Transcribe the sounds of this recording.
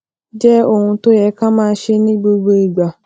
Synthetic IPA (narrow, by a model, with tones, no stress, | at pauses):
d͡ʒɛ˦o˨ŋʷʊ̃˦to˦jɛ˨˦ka˦mãː˦ʃe˦nĩ˦bo˦ɡ͡bo˦i˨ɡ͡ba˨